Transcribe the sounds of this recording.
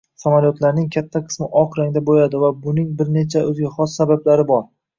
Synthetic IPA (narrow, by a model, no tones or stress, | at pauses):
samaljot̪laɾnɪŋkʲʰat̪ʰːaqʰɨ̥smɪʔɒqɾaŋd̪abojad̪ɪvabʊnɪŋbɪɾne̞t͡ʃʰaɵzɡʲaχɒsːabablaɾɪbɒɾ